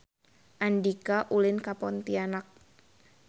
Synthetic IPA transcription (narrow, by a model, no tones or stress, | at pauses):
ʔandikaʔulɪnkapɔnt̪ianak̚